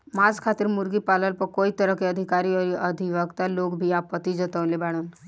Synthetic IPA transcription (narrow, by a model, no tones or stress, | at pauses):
mad͡zkʰat̪iːɾmuɾɡiːpaləlpəkoit̪əɾəkeəd̪ʱikaɾiəɾiʔəd̪ʱiʋəɡt̪alokbʱiapət̪ːid͡zət̪əʋlebaɽ̃uːn